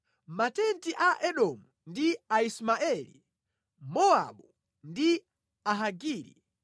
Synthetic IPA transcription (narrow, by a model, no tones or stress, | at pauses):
matɛntiʔaʔɛɗɔmundiaismaʔɛlḭ | mɔa̰ɓu | ndi | aɦaɡiːɾḭ